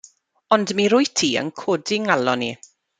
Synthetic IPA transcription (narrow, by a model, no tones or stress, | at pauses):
ɔndmiɾʊjtʰiːə̰nkʰɔdɪŋalɔni